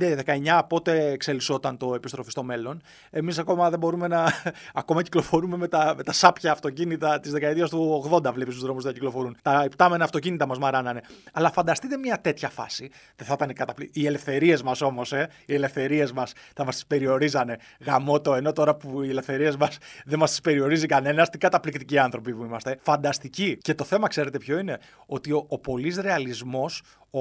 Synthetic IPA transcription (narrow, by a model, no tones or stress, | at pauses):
d̪eðe̞kɐeɲɐpo̞t̪e̞ːkse̞liso̞t̪ɐnt̪o̞e̞pist̪ɾo̞fi̥st̪o̞me̞lo̞n | e̞mis̬ɐko̞mɐðe̞bo̞ɾume̞nɐːko̞mɐciklo̞fo̞ɾume̞me̞t̪ɐme̞t̪ɐsɐpçɐːft̪o̞cinit̪ɐt̪izðe̞kɐet̪iɐst̪uoɣðo̞nd̪ɐvlepist̪uzðɾo̞muzt̪ɐciklo̞fo̞ɾunt̪ɐept̪ɐme̞nɐft̪o̞cinit̪ɐmɐzmɐɾɐnɐne̞ɐlɐfɐnd̪ɐst̪it̪e̞mɲɐt̪e̞t̪çɐfɐ̰siðeθɐt̪ɐnikɐt̪ɐpliie̞le̞fθe̞ɾie̞zmɐso̞mo̞se̞ | iele̞fθe̞ɾie̞zmɐsθɐmɐst̪i̥spe̞ɾio̞ɾizɐne̞ | ɣɐmo̞t̪o̞e̞no̞t̪o̞ɾɐpuie̞le̞fθe̞ɾie̞zmɐsðemɐst̪i̥spe̞ɾio̞ɾizikɐne̞nɐst̪iɡɐt̪ɐplikt̪iciɐnθɾo̞pipuimɐst̪e̞fɐnd̪ɐst̪icice̞t̪o̞θe̞mɐkse̞ɾe̞t̪e̞pço̞ine | o̞t̪ioopo̞lisɾe̞ɐlizmo̞s